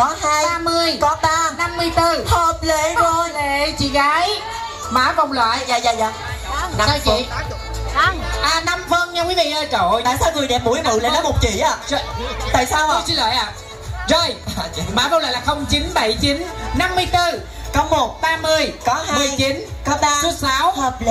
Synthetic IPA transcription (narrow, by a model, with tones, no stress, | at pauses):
kɔ˨˦haː˧jaː˧mɨ˧əjkɔ˨˦t̪aː˧na˧mːɨ˧əjt̪ɨ˧ho˨˩p̚le˧˨o˧˩le˧˨t͡ɕḭ˧˨ɣaː˨˦j | maː˨˦və˧wŋ͡mlwa̰ː˧˨jzaː˧zaː˧˩zaː˧˩ | a˨˧saː˧wt͡ɕii˨ | a˨˧ʔaː˨˧na˧mfə˧nɲaː˧kwi˨˦vḭ˧˨zəː˧t͡ɕo̰˧˨aː˧˨jt̪ʰəː˨˦jŋɨ˨˩əɗɛ˨˩p̚mu˧˦əjnɨ̰˧˨lḛ˧˨nəː˨˦mo˨˩t̚t͡ɕḭ˧˨ʔaː˨˧zjt̪a̰ː˧˨jsaː˧wsi˧˦lwa̰ː˧˨jʔaː˨˩ | zəː˧˩jmaː˨˦və˧lwaː˧˨jlaː˨˩xə˧wŋ͡mt͡ɕi˨˦nɓə˧˩jt͡ɕi˨˦nna˧mːɨ˧əjt̪ɨ˧ | kə˧wŋ͡mmo˨˩t̚ɓaː˧mɨ˧əjkɔ˨˦mɨ˨˩ət͡ɕi˨˦nː˨˦˧su˦əsaː˨˦whːp̚l